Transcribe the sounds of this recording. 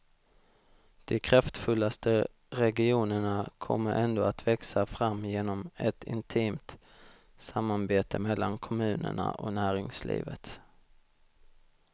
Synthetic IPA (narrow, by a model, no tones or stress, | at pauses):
d̪̥ɛkʰɾaft̪fɵlːast̪ə | ɾɛɡɪuːnəɳakʰɔ̰mːəɾʔɛnd̪oːat̪vɛksafɾamːjeːnɔmɛt̪ʰɪ̰nt̪ʰiːmt̪ | samːaɾbeːt̪əmɛlːankʰɔmʉ̟ːnə̰ɳa̰ʔɔnæːɾɪŋslḭːvət̪